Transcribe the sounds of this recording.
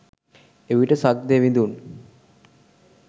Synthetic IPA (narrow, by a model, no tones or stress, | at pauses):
eʋiʈəsak̚d̪eʋind̪un